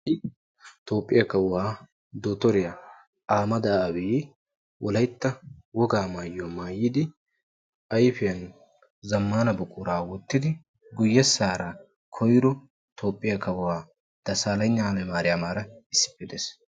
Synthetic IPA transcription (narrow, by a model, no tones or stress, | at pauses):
ɪ | t̪oːpʼːɪjɐkɐwʊwaː | d̪oːt̪ɔɾɪjɐ | ʔaːmɐd̪ɐːwiː | wʔɔlɐjt̪ːɐwɔɡaːmaːjːomaːjːɪd̪ɪ | ʔɐjfɪjɐn | zɐmːaːnɐbʊkʼʊɾaːwɔt̪ːɪd̪ɪ | ɡʊjːɛsaːɾɐ | kʰɔjɾʊ | t̪ʰo̞ːpʼːɪjɐkɐwʊwaː | d̪̥ɐsaːlɐjɲːalɛmaːɾɪjamaːɾɐɪsːɪ̥pːɪd̪eːs